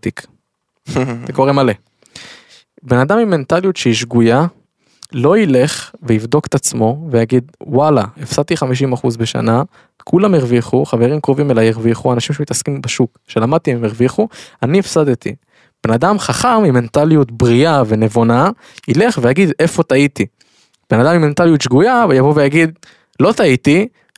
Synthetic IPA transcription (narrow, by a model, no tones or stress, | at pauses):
t̪ik | zeko̞ʁemale | be̞nad̪amimːe̞nt̪alijut̪ʃeiʃɡuja | lo̞ile̞χveivd̪o̞ke̥t̪at͡smo̞vejaɡid̪walaefsad̪̚t̪iχamiʃ̬imaχuzbeʃa̰na | kʰulameʁviχuχave̞ʁimkʁovimelajeʁviχuanaʃimʃemit̪askimbaʃukʃe̞lamad̪̚t̪iemeʁviχuaniefsad̪et̪ḭ | b̥enad̪amχaχamiment̪alijut̪bʁiave̞ne̞vona | ile̞χvejaɡid̪e̞fo̞t̪ait̪i | b̥enad̪amiment̪alijut̪ʃɡujavejavovejaɡid̪̚ | lo̞t̪ait̪i